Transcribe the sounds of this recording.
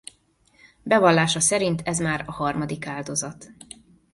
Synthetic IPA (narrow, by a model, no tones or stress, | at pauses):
bɛvɒlːaːʃɒsɛɾint̪ɛzmaːɾɒhɒrmɒd̪ikaːld̪o̞zɒt̪